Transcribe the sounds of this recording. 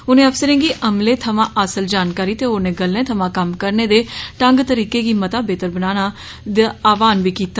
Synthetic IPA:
ʊnẽːəpsəɾẽːŋɡiːʔəmleːt̪ʰəmãːʔəsəld͡ʒaːnkaːɾiːt̪eːonẽːɡəlːẽːt̪ʰəmãːkəmkəɾneːd̪eːʈəŋɡt̪əɾiːkeːɡiːmət̪aːbeːt̪əɾbənaːnaː | d̪eaːʋaːnʋiːkiːt̪aː

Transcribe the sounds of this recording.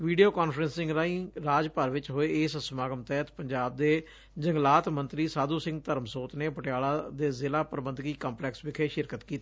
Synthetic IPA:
ʋiːɖijoːkaːnfʰɾənsːɪ̃ŋɡɾaːĩːɾaːd͡ʒpəɾʋɪt͡ʃɦoːeːeːsəsmaːɡəmt̪ɛːt̪pəɲd͡ʒaːb̚d̪eː | d͡ʒəŋɡlaːt̪mə̃nt̪ɾiːsaːd̪uːsɪ̃ŋɡt̪əɾmsoːt̪neːpəʈɪjaːɭaːd̪eːzɪlaːpəɾəbənd̪ɡiːkaːmplɛːksbɪkʰeːʃɪɾkət̪kiːt̪aː

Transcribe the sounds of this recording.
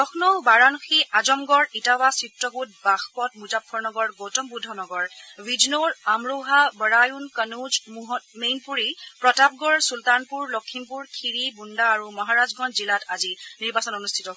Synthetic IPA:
ɔxnɔbaɹanxiazɔmɡɔɹitawasitɹɔɡut̚baxpɔtmuzapʰːɔɹnɔɡɔɹɡotɔmbudʱɔnɔɡɔɹwid͡ʒnoɹamɹoɦabəɹajunkənud͡ʒɦmejnpuɹipɹɔtap̚ɡɔɹsultanpuɹlɔkʰːimpuɹkʰiɹibundaːɹumɔɦaɹazɡɔnzilataziniɹbasɔnɔnustʰitɔ

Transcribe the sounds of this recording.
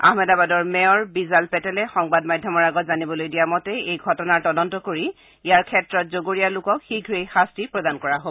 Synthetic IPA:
a̰hmɛdabadɔɹmɛɔɹbizalpɛtɛlɛxɔŋbadmajdʱjɔmɔɹaɡɔtzanibɔlojdijamɔtɛejɡʱɔtɔnaɹtɔdɔntɔkoɹi | ijaɹkʰɛtɹɔtzoɡoɹijalʊkɔkxiɡʱɹejxastipɹɔdankɔɹaɦobɔ

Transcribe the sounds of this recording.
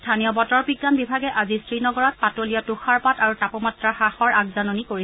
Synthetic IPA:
stʰanijɔbɔtɔɹpiɡzanbibʱaɡɛʔazistɹinɔɡɔɹɔt̚patolijɔtuxaɹpataɹutapɔmatɹaxaxɔɹak̚zanonikoɹi

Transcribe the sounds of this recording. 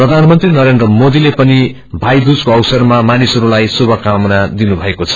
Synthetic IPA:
prʌd̪ʱanmʌnt̪rinʌɾend̪rʌmod̪ilepʌni | bʱajd̪ud͡zkoʌwsʌrmamanisʌɾulajsubʱʌkamnad̪inubʱʌekot͡sʰʌ̥

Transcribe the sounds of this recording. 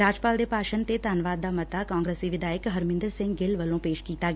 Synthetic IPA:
aːd͡ʒpaːld̪epaːʃənt̪et̪aːnʋaːd̪ːamɐt̪akãːŋɡɾeːsiʋɪd̪ʱaːjəkɦɐɾmɪ̃nd̪əɾsɪ̃ŋɡɡɪlʋɐlõpeːʃkiːt̪aɡ

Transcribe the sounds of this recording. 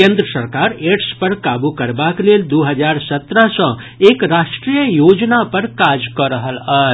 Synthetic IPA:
kẽnd̪ɾəsəɾkaɾeʈspəɾkabukəɾbakleld̪uɦəd͡ʒaɾsət̪ɾəɦsə̃ | ekɾaʃʈɾijəjod͡ʒnapəɾkad͡ʒkɔɾəɦəla

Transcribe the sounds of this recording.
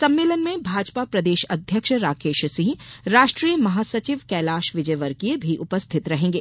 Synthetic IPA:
sɐ̃mːeːlənmẽbʱaːd͡ʒpapɾɐd̪eːʃɐd̪ʱjəkʃɾaːkeːʃsɪ̃ɦɾaːʃʈɾiːjəmɐɦaːsɐt͡ʃɪʋkɛːlaːʃʋɪd͡ʒəjʋəɾkiebʱiʔʊpəst̪ʰɪt̪ɾɐɦẽːŋ̆ɡeː

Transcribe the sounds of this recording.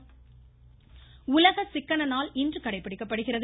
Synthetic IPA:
ʊlɐɣɐsɪkːɐɳɐnaːlɪndrɯkɐɽɐɪpːɐɽɪkːɐpːɐɽɯɣɪrɐð

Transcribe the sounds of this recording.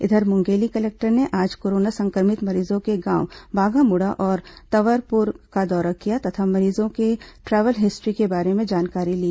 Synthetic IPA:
ɪ̰d̪ʱəɾmʊ̃ŋɡeːlikɐleːk̚ʈəɾneʔaːd͡ʒkoːɾoːnasɐ̃ŋkəɾmɪt̪mɐɾiːzõkeɡãːwbʱaːɡamʊɽaʔɔːɾt̪ɐʋəɾpʊɾkad̪ɔːɾakijat̪ɐt̪ʰamɐɾiːzõkeʈɾɛːʋəlɦɪsʈɾikebaːɾemẽd͡ʒaːnkaːɾiliː

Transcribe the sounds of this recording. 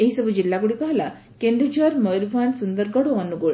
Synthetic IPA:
eɦisəbud͡ʑilːakuɽikaɦla | kẽnd̪ɾut͡ɕəɾməɾbʱansund̪əɾɡəɽoənuɡoɭ

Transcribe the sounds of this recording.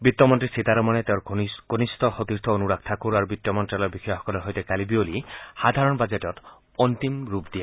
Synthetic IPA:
bit̪ːɔmɔnt̪ɾisit̪aɾɔmanet̪ewɾɡ̥onist̪ʰɔxot̪iɾt̪ʰɔonuɾak̚ʰt̪ʰakuɾaɾubit̪ːɔmɔntɾalɔɾbixɔjaɦɔ̥kɔlɔɾɦɔjt̪ekalibiolihad̪ʱaɾɔnbad͡ʒetɔt̪ | ɔnt̪imɾupd̪ija

